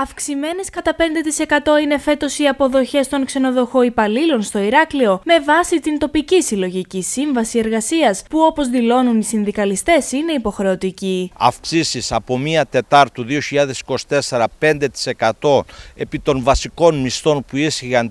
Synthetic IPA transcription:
ɐfksime̞ne̞skɐt̪ɐpe̞nd̪e̞t̪ise̞kɐt̪o̞ine̞fe̞t̪o̞siɐpo̞ðo̞çe̞st̪o̞ŋkse̞no̞ðo̞xo̞ipɐlilo̞nst̪o̞iɾɐklio̞me̞vɐsit̪int̪o̞picisilo̞ʝicisiɱvɐsie̞ɾɣɐsiɐspuo̞po̞zðilo̞nunisinðikɐlist̪e̞sine̞ipo̞xɾe̞o̞t̪iciɐ̰fksisisɐpo̞miɐt̪e̞t̪ɐɾt̪uðio̞çiʎɐðe̞si̥ko̞si̥t̪e̞se̞ɾɐpe̞nd̪e̞t̪i̥se̞kɐt̪o̞e̞pit̪o̞nvɐsiko̞nmist̪o̞npuisçixɐn

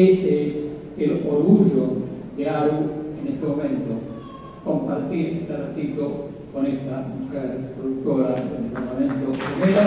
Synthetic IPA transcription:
esees | eloɾɣuʒod̪eaɾuenest̪emomẽnt̪o | kõmpaɾt̪iɾest̪aɾat̪iko | konest̪amukaðest̪ɾoðuk̚t̪oɾaḛnest̪emomẽnt̪opɾimeɾa

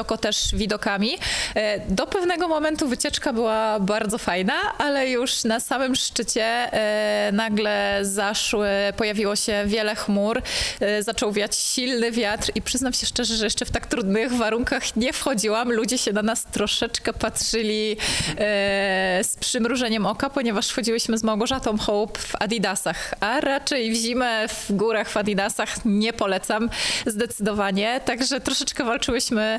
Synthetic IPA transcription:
ɔkɔt̪ɛʂvʲid̪ɔkamʲi | d̪ɔpɛvn̪ɛɡɔmɔmɛnt̪uvɘt͡ɕɛt͡ʂkabɘwabaɾd̪zɔfajnaʔalɛjuʂnasamɘmʂt͡ʂɘt͡ɕɛ | naɡlɛzaʂwpɔjavʲiwɔɕɛvʲjɛlɛxmuɾzat͡ʂɔwvʲjat͡ɕɕilnɘvʲjat̪ɾipʂɘznamɕɛʂt͡ʂɛʐɛʐɛjɛʂt͡ʂɛft̪akt̪ɾud̪nɘɣvaɾuŋkaxɲɛfxɔd͡ʑiwamlud͡ʑɛɕɛd̪anast̪ɾɔʂɛt͡ʂkɛpatʂɘlʲi | spʂɘmɾuʐɛɲɛmɔkapɔɲɛvaʂsxɔd͡ʑiwɘɕmɘzmawɡɔʐat̪ɔ̃w̃xɔwpva̰d̪id̪asaxaɾat͡ʂɛjvʑimɛvɡuɾaxvad̪id̪asaxɲɛpɔlɛt̪samzd̪ɛt̪sɘd̪ɔvaɲɛt̪aɡʐɛt̪ɾɔʂɛt͡ʂkɛvalt͡ʂɘwɘɕmɘ

